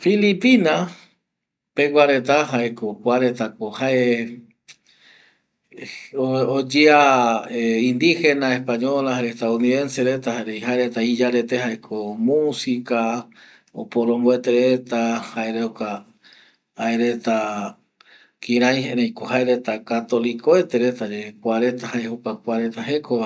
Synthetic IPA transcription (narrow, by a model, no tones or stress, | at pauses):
filipina | peɡʷaɾe̞t̪aɦaekokʷaɾet̪ak̚ohae | ood͡ʒiaeĩnd̪ixenaespaɲolaaɾeht̪auniðenseɾet̪ahaeɾejɦaeɾet̪aid͡ʒaɾet̪ehaekʰomusika | o̰poɾõmboet̪eɾet̪ahaeɾeoka | aeɾe̞t̪a | kĩɾajɦeɾejkohaeɾet̪akat̪o̞likoet̪eɾe̞t̪ad͡ʒekʷaɾe̞t̪ahaehukak̚ʷaɾe̞t̪aɦe̞kʰoβa